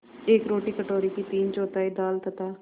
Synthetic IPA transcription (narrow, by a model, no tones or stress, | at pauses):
ekɾoːʈiːkəʈoːɾiːkit̪iːnt͡ʃɔːt̪aːid̪aːlt̪ət̪aː